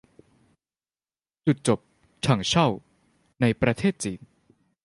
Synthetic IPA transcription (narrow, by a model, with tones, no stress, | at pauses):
t͡ɕu˨˩t̪̚t͡ɕo˨˩p̚ | t͡ɕʰa˨˩ŋt͡ɕʰa˥˩w | na˧jpɾa˧t̪ʰeː˥˩t̪̚t͡ɕiː˩˦n